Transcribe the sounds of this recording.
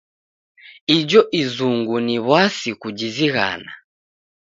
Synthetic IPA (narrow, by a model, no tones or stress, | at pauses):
id͡ʒɔʔizuŋɡuniβwasikud͡ʒiziɣa̰na